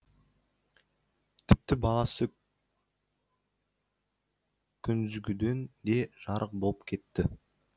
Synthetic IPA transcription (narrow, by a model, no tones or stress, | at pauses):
t̪ʰɪp̚t̪ɪbɑlˠɑsə | kʲʰʏnɪzɡʲɪd̪e̞nd̪e̞ʒɑɾʔəq̚bo̞lˠəpkʲʰe̞t̪ːɪ